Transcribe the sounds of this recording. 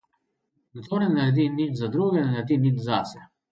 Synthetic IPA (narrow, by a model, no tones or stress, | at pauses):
nt̪ɔnɛnad̪ininzad̪ɾuɡɛðɛnad̪ininzasɛ